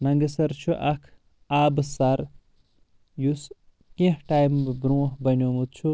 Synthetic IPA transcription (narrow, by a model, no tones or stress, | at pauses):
nɐŋɡɐsɐɾt͡ʃʰuʔɐkʰ | aːbsaɾ | jus | kẽhʈajmbɾuːɦbɐnʲjoːmut̪t͡ʃʰu